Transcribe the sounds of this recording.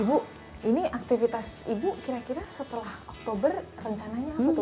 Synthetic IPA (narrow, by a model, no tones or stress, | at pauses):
ibu | iniak̚t̪ifit̪asibukiɾakiɾasət̪əlahɔk̚t̪obərrəɲt͡ʃanaɲakut̪